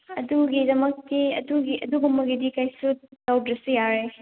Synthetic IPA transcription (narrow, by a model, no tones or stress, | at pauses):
ɐduɡidɐmɐk̚tiɐ̰duɡiʔɐduɡumbɐɡidikajsudawdɾɐsujaɾe